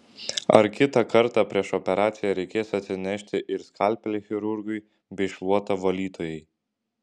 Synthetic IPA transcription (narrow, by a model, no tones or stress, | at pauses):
ɐ̰ɾkʲɪt̪ɑkɐɾt̪ɑːpʲɾʲiɛʃɔpʲɛɾɑːt̪sʲɪjɛɾʲɛɪkʲeːsɐt̪ʲsʲɪnʲɛʃʲt̪ʲɪʔɪɾskʰɑˑlʲˑpʲɛlʲɪxʲɪɾʊɾɡʊɪ | bʲɛɪʃʋuɔt̪ɐʋɐlʲiːt̪oːjɛɪ